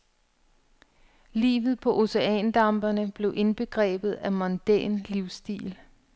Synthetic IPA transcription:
lḭːʋð̩ˠpʰɒ̽ʔo̝se̝ɛ̰nd̥ɑ̈mb̥ɐnəb̥le̝ʊʔe̝nb̥e̝ɡ̥ʁɛ̰ːb̥ð̞̩ˠæmɒnd̥ænliʊsd̥ḭːl

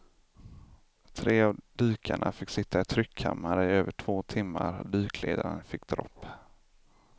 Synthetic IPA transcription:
t̪ʰɾeːavd̪ʉ̟ːkʰaɳʔafɪkːsɪt̪ʰːaɪt̪ʰɾʏkʰːa̰mːaɾəɪøːvəʈʰv̥oːt̪ʰɪmːaɾd̪ʉ̟ːkʰlḛːd̪aɾənfɪkːd̪ɾɔ̰pː

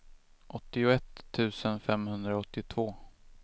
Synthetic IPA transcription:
ʔɔt̪ːɪʊɛt̪ʰːʉ̟ːsənfɛmhɵnd̪ɾaɔt̪ːɪt̪ʰv̥oː

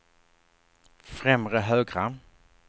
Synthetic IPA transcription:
fɾɛmɾəɦœːɡɾa

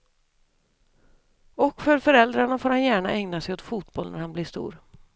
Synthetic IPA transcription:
ɔkfœɾfœɾɛld̪ɾaɳafoːɾhanjæːɳaʔɛŋnasɛjɔt̪fuːt̪̚bɔlnæ̰ɾhanblɪʂt̪ṵːɾ

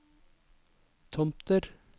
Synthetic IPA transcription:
t̪ʰɔmpt̪əɾ

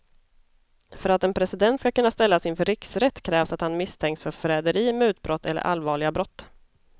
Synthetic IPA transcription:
fœɾat̪ɛnpʰɾɛsɪd̪ɛnt̪skakɵnːast̪ɛlːasɪnfœɾɪksɾɛt̪ːkʰɾɛːvsat̪hanmɪst̪ʰɛŋkt̪sfœɾfɾɛːd̪əɾiːmɛʉːt̪̚bɾɔt̪ʰːɛ̰lːə̰ɾʔa̰lvɑːɭɪɡabɾɔt̪ː

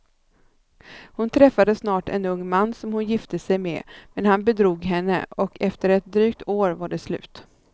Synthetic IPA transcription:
hʊnt̪ʰɾɛfːad̪əsnɑːʈɛ̰nɵŋːmanːsɔmhʊnjɪft̪əsɛjmɛ̰mɛnhanbɛd̪ɾuːɡɦɛnːə̰ɔkʰɛft̪əɾɛt̪̚d̪ɾyːk̚t̪ʰoːɾvaɖɛslʉ̟̰ːt̪

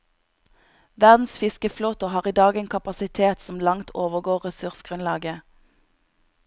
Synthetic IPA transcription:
ʋæʁd̪n̩sfɪskəfloːt̪oːhɑːʁiːd̪ɑːɡeːnkʰɑpɑsɪt̪ʰeːt̪sɔm̩lɑŋt̪ʰoːʋəɡoːʁʁɛsʉʁsɡ̥ʁʉnlɑːɡə

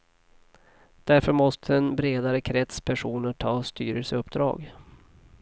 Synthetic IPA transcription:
d̪̥æɾfœɾmɔst̪ʰəɛnbɾeːd̪aɾəkʰɾɛt̪spʰæʂuːnəʈʰɑːst̪yːɾəlsəɵpd̪ɾɑ̰ːɡ

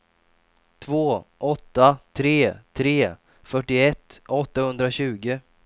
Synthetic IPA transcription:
t̪ʰvoːʔɔt̪ːat̪ʰɾeːt̪ʰɾeː | fœʈːɪɛt̪ːʔɔt̪ːahɵnd̪ɾaɕʉ̟ːɡə

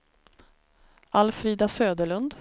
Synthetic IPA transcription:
ʔalfɾiːd̪asøːd̪əɭɵnd̪

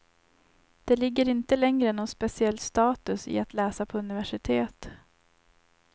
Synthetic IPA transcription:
d̪̥ɛlɪɡːəɾɪnt̪əlɛŋɾəɛnːɔnspɛsɪɛlːst̪ɑːt̪ɵsɪ̰at̪lɛːsapʰɔɵnɪvæʂɪt̪ʰeːt̪

